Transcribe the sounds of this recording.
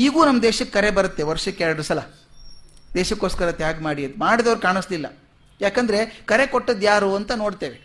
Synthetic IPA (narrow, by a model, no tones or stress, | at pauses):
iːɡuːnɐmːɐd̪eːʃɐkːɐɾe̞bɐɾɐt̪ːe̞ʋɐɾʂɐkːaːɐɖɐsɐlɐ | d̪eːʃɐkːo̞ːskɐɾɐt̪jaːɡɐmaːɽiɐd̪maːɽid̪ɐʋɐɾkaːɳɐslilːɐ̰ | jaːkɐnd̪ɐɾe̞kɐɾe̞koʈːɐd̪jaːɾuːɐnt̪ɐno̞ːɽt̪eːʋe